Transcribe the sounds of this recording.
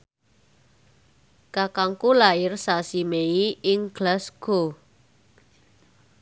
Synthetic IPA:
kakaŋkulaɪrsasimeiɪŋɡ̥lasɡ̥o

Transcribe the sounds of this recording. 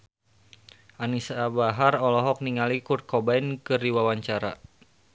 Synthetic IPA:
ʔanisabaɦarɔlɔɦɔk̚niŋalikut̪̚kɔbainkɨrdiwawaɲt͡ʃaɾa

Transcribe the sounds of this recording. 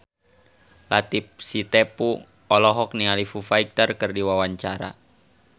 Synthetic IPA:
lat̪ip̚sit̪epu | ɔlɔɦɔk̚nialifufaik̚t̪ərkɨrdiwawaɲt͡ʃaɾa̰

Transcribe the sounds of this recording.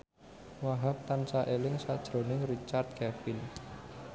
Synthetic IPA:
waɦap̚t̪ansaʔelɪŋsad̥ʒ̥ɾonɪŋrit͡ʃart̪̚ɡ̥ɛfɪn

